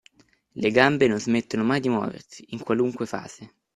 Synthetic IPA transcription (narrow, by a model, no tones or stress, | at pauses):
leɡambenonzmet̪ːonomajd̪imwɔ̰ːvḛrsi̥iŋkwaluŋkwefa̰ːz̥e